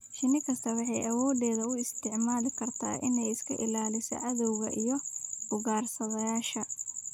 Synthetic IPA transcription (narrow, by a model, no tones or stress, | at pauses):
ʃɪnɪkʰɐst̪ʰɐwɑħɑjʔɐwɔːdɛːðɐʊɪst̪ʰɪʕmaːlɪkʰɐrt̪ʰa̰ːʔɪnɛjɪskʰɐ̰ʔɪlaːlɪsɐ̰ʕɐðɔwɣɐ̰ʔijɔb̥ʊɣaːrsɐðɐjaːʃɐ